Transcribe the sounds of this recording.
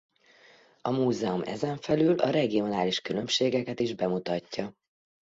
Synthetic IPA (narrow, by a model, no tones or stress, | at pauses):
ɒmuːzɛumɛ̰zɛɱfɛlyːlɒɾɛɡio̞naːliʃkylø̞mʃeːɡɛkɛt̪iʒbɛmut̪ɒcːɒ